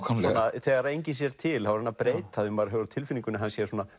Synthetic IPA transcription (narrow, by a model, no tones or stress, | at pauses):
sɔnaθɛːɣaɾejɲcɪs̬jɛɾ̥t̪ʰɪlavaɾanːapɾeːjt̪aðʏmvaɾɦœɣʏɾt̪ʰɪlfɪniŋkʏnɪaɦansjɛsɔːna